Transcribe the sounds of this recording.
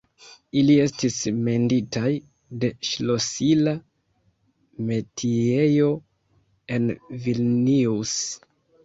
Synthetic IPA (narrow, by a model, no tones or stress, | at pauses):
ilie̞stisme̞nditaj | de̞ʃlo̞sila | me̞tʰie̞jo̞ | e̞nvilnius